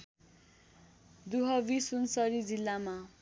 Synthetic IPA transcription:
d̪uɦʌbisunsʌɾid͡zilːama

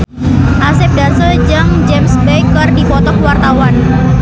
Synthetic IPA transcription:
ʔasɪp̚dasəld͡ʒaŋd͡ʒɛmsbɛjkərdipɔt̪ɔkwart̪awan

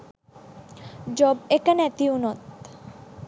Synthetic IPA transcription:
d͡ʑɔbekanɛt̪iunɔt̪

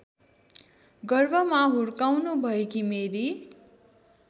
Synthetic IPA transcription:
ɡʌrbʱʌmaɦuɾkawnubʱʌekimeɾi

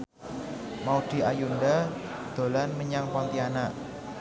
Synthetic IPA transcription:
maud̪̥i̤ajundad̪̥o̤lanməɲaŋpant̪ianaʔ

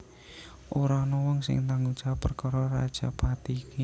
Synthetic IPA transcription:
ʔoɾanɔwɔŋsɪ̰ŋt̪aŋu̥ʒ̥apərkɔɾɔra̰d̥ʒ̥a̤pat̪iki

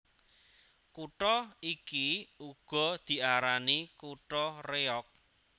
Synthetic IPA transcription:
kuʈɔikiuɡ̥ɔ̤d̪̥i̤ʔaɾanikuʈɔreɔk̚

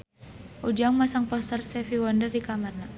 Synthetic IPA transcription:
ʔud͡ʒaŋmasaŋpɔst̪ərst̪ɛfiwɔndərdikamarna

